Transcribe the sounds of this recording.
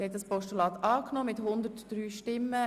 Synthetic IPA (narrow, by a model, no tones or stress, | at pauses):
hɛt̪̚dɑspɔʃtulɑːt̪ɑːknɔmɪt̪hʊnd̪ətd̥ɾyːʃtɪmːə